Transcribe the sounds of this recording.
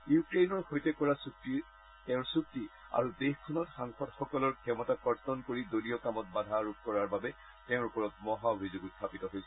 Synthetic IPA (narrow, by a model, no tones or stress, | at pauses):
jukɹejnɔɹxojtɛkɔɹasuki | tɛʊ̃ɹsuk̚tːi | a̰ɹudexkʰɔnɔtxaŋxɔdxɔkɔlɔɹkʰɛmɔtakɔɹtɔnkoɹidoliɔkamɔt̚badʱaɹuk̚kɔɹaɹbabɛ | tɛʊ̃ɹupɔɹɔtmɔɦaobʱizoɡuttʰːapitɔɦojsɛ